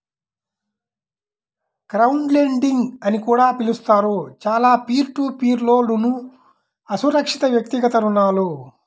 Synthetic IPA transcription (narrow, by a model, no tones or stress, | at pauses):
kɾɐwuɳɖleɳɖiŋɡɐnikuːɽaːpilust̪aːɾut͡ʃaːlaːpiːɾʈuːpiːɾlo̞ːlunu | ɐsuɾɐkʂit̪ɐʋjɐk̚t̪iɡɐt̪ɐɾunːaːlu